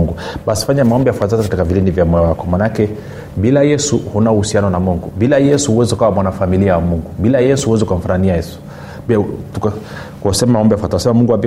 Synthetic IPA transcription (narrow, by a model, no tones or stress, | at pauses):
ŋɡuɓasi̥faɲamaɔmbɛjafwatazakatikavilinivjamɔjɔwakɔmanakɛ | bilajɛsuhunauhusianɔnamuŋɡubilajɛsuhuwɛziukawamwanafamiliawamuŋɡuɓilajɛsuhuwɛzukam̩faɾaniajɛsu̥ | bituka | ksɛmamaɔmbɛjafataasɛmamuŋɡuapi